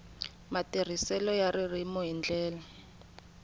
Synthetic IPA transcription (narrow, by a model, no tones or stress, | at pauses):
matir̤isɛlɔjaririmɔɦind͡ɮɛːla